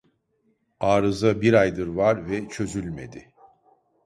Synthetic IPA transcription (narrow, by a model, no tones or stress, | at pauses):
aːɾɯzabiɾajd̪ɯɾvaɾvɛt͡ʃʰø̞zylʲme̞̰d̪ɪ